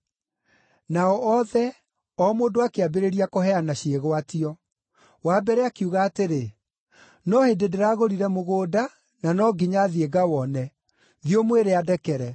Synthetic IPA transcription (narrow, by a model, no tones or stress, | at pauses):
naɔʔɔðɛ | ɔmoːdoakeabeɾeɾiakoɦɛanaɕeɣoatiɔ | waːbɛɾɛakiuɣaːteɾe | nɔhededeɾaɣoɾiɾɛmoɣoːda | nanɔɡiɲaðieɡawɔnɛ | ðiomweɾeadɛkɛɾɛ